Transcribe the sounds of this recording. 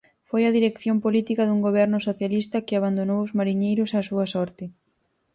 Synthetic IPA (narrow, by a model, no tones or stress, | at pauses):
fojɐðiɾekθjompolit̪ikɐðuŋɡoβ̞ɛɾnʊsoθjalist̪ɐkɪaβ̞and̪onowʊzmaɾiɲejɾʊsasuɐsɔɾt̪ɪ